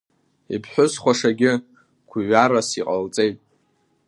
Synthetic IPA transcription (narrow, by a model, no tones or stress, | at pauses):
ipʰħʷᶣʊsχʷaʂaɡʲɪ | kʷʰiɥarasiqʼalt͡sʼe̞jtʼ